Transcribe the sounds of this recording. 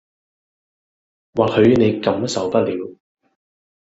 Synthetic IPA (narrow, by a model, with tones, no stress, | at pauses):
waː˨t̚hɵ˨˧ɥne˨˧jkɐ˨˥msɐ˨wpɐ˥t̚liː˨˧w